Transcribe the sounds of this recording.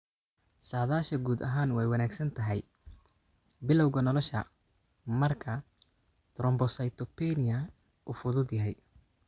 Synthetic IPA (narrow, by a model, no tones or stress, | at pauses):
saːðaːʃɐɡuːd̪ɐɦaːnwɛjwɐnaːɡsɐnt̪ʰɐɦɛj | bɪlɔwɣɐnɔlɔʃɐ̰ | mɐrkʰɐ | d̪̥ɾɔmbɔsɐjt̪ʰɔpɛnɪjɐ | ʔuːfʊðʊd̪jɐɦɛj